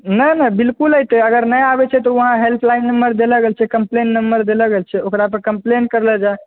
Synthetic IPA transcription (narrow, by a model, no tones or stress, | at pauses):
nənəbilkuləjt̪ɛəɡəɾnəjabɛt͡ʃʰɛt̪ɔʋəɦãɦelpʰlajnːəmbəɾd̪eləɡelt͡ʃʰɛkəmplenːəmbəɾd̪eləɡelt͡ʃʰɛokɾapəɾkəmplenkəɾlɛd͡ʒae